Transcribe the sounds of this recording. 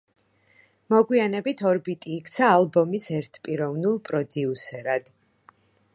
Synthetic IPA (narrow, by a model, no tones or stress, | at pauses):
mɔɡwianɛbit̪ʰɔɾbit̪ʼiːkʰt̪sʰaːlˠbɔmisɛɾt̪ʰpʼiɾɔvnulˠpʼɾɔd̪iusɛɾad̪̥